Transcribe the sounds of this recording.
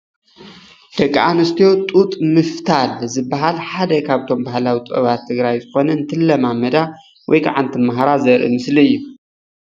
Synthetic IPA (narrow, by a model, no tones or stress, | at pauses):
d̪̥ɐkʼːʔanɨst̪ʰio̞t̪ʼut̪ʼmɨft̪ʰalzɨbːaɦalħad̪ɐkʰaβt̪ʰo̞mbahlawit̪ʼɐ̰βat̪ʰːɨɡɾajzɨxo̞nɐɨnt̪ʰɨlːɐmamɐd̪a | wɔjkʰa̰ʕant̪ʰɨmaɦaɾazɐɾʔḭmɨsliɨjːu